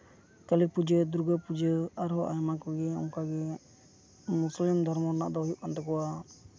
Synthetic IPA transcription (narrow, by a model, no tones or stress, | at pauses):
kəlipud͡ʒəd̪ɾuɡəpud͡ʒəaɾɦɔʔajmakɔɡɛɔ̰ŋkaɡɛ | muslimd̪ʱɔɾmɔɾna̰ʔd̪ɔjuʔkant̪ɔkɔwa